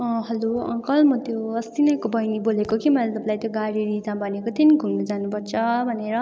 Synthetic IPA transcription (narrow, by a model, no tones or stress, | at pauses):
ʌ̃ɦʌloʌ̰̃ŋkʌlmʌt̪joʌst̪inʌjkobʌjnibolekokimʌlat̪ʌpalajt̪joɡaɽiɾid͡zãbʌnekot̪ʰiniɡʱunːud͡zanupʌrt͡sʰʌbʱʌneɾʌ